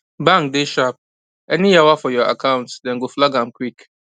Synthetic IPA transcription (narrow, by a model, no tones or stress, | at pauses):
bãŋkdeʃap̚ | ɛnijawafɔjɔa̰kʰãʊ̃ntsdɛ̃nɡoflaɡãmkwik